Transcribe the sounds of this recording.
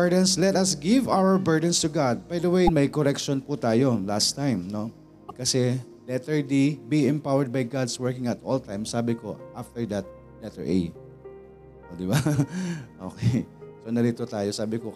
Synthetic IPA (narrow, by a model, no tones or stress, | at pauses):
əɹd̪ɐ̃nslɛt̪ɐsɡɪvawəɹbɛɹd̪ɐ̃nst̪uɡad̪̚bajd̪ɐwejmɐjkoɾɛkʃɔnput̪aːjo̞last̪ajmno | kɐsɛ | lɛt̪ɛɹd̪ibiɛ̃mpawɛɹd̪̚bɐjɡad̪swɛɹkɪ̃ŋɐt̪ʔolt̪ãjmsaːbɪkoʔaft̪ɛɹd̪ɐt̪̚ | d̪ɐt̪ɛ̰ɹʔḛj | od̪ɪba | ʔo̰ːkejsonɐɾit̪ot̪aːjosaːbɪko